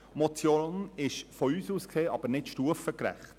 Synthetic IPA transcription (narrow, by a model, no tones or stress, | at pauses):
mɔt͡sjoːnɪʃfɔyːsuːskseːɑb̥əɾnɪtʃtuəfəkɾæ̰χt